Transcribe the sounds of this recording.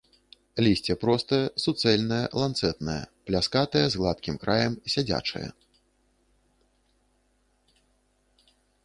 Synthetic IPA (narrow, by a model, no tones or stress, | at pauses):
lʲisʲt͡sʲɛpɾɔst̪ɐjɐsut̪sɛlʲnɐjɐ̰lˠant̪sɛt̪nɐjɐ̰plʲaskat̪ɐjɐzɣlˠat̪̚kʲimkɾʔajɐmsʲad͡zʲa̰t͡ʂɐ̰jɐ̰